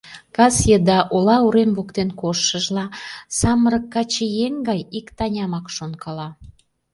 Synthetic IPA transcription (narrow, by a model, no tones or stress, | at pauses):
kɑsjed̪ɑʔolɑuɾemβukt̪enkoʃːəʒlɑsɑməɾəkːɑt͡ɕejeŋɡɑjikt̪ɑnʲɑmɑkʃonkʰɑlɑ